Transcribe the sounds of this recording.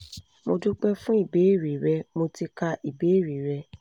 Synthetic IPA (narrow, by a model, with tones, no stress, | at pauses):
mo˧du˦k͡pɛ˦fũ˦i˦˨be˨˦e˦˨ɾi˨ɾɛ˧˦mo˧ti˧ka˧i˨be˨˦e˦˨ɾi˨ɾɛ˧